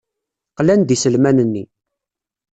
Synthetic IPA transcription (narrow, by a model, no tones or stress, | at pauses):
qlænd̪isəlmænənːi